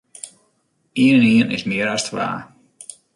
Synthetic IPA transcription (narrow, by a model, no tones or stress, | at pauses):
iənəniənɪ̰smɪəɾastʰʋa̰ː